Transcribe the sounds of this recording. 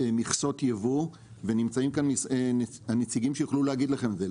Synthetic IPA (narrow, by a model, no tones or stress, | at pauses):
miχso̞t̪jevu | ve̞nimt͡saimkanisenehanet͡siɡimʃejoχluleaɡid̪laχe̞mze